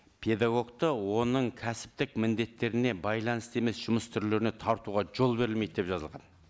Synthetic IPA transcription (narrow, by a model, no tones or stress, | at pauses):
pʰe̞d̪ɑɡo̞ɡt̪əwo̞nəɴkʲʰæsɪ̥p̚t̪ɪkmɪnd̪e̞t̪ːe̞ɾɪne̞bɑjlˠɑnəst̪e̞me̞sʒ̥ʊməst̪ʰʏɾle̞ɾɪne̞t̪ʰɑɾt̪uʁɑʒo̞lˠbe̞ɾɪlmejt̪̚d̪e̞pʒɑzəlˠʁɑn